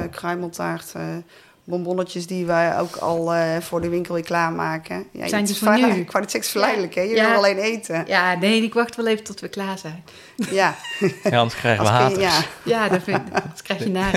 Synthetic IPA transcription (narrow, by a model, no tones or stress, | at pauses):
krœɥməlˠtaːɹt | bɔmbɔnət͡ʃəsdiʋəjo̰wkʰɑ̰lˠv̥ʊːɹdəʋɪŋkəlˠɪːklaːɹmaːkəja̰ːjnnykːʋaːdəsɛksfəɹlɛjdələkɛjəʋɪlˠɑlejnejtəjaːnejɪkʋɑxtʋɛlˠejvətɔtʋəklaːɹzɛjn | ja | nkrɛjəəɦaːjajadtkrɛjxjənaː